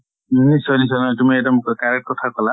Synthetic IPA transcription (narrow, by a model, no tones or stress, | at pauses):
nisɔnis̬ɔnɔtumiɛdɔmkɔkaɹek̚ʈ̚kɔtʰakɔla